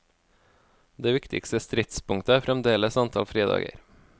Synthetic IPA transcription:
d̪eːʋɪkt̪ɪ̰kst̪əst̪ɾɪt̪spʊŋt̪əæːfɾɛmd̪eːləsɑnt̪ʰɑ̰ːlfɾeːd̪ɑ̰ːɡə̰ɾ

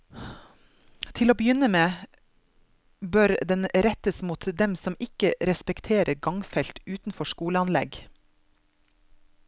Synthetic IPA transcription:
t̪ʰɪloːbəjʏnəmeː | bœːɾd̪ɛnɾɛt̪əsmuːt̪d̪ɛmsɔmɪkəɾɛspɛkt̪ʰeːɾʔəɾɡɑŋfɛlt̪ʉːt̪n̩fɔʃkuːləɑnlɛ̰ɡ

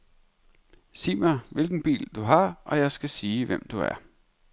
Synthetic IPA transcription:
siːmæʋe̝lɡ̥n̩b̥ḭːld̥uɦɑ̈ʔɒ̽jɑ̈ɪsɡ̥æsiːʋem̰d̥uæɐ

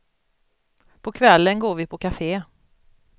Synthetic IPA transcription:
pʰɔkʰvɛlːənɡoːɾvɪpʰɔkʰafeː

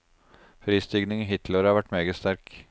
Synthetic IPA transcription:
fɾiːst̪ʏɡnɪŋiɦɪt̪ləɾəhɑɾʋæʈːmeːɡəst̪æɾk

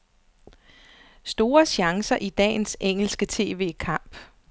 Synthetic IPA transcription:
sd̥o̝ːɐɕɑ̈ŋsɐʔid̥ɛ̰ːnseŋ̰l̩sɡ̥ət͡sʰe̝ːʋe̝̰ːkʰɑ̈m̰b̥

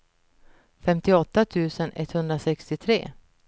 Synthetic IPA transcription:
fɛmt̪ɪɔt̪ːat̪ʰʉ̟ːsənʔɛ̰t̪ːhɵnd̪ɾasɛkst̪ɪt̪ʰɾḛː

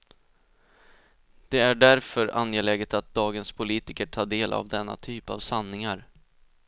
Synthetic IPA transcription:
d̪̥ɛæɖæɾfœɾa̰njɛlɛɡət̪at̪̚d̪ɑːɡənspʰʊliːt̪ɪkəʈʰɑːɖeːlʔa̰vd̪ɛnːa̰t̪ʰyːpa̰vsanːɪŋaɾ

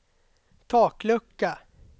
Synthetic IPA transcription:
t̪ʰɑːklɵkːa

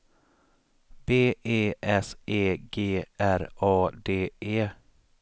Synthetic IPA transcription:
b̥eːʔeːʔɛseːɡeːʔæɾɑːd̪eːʔeː

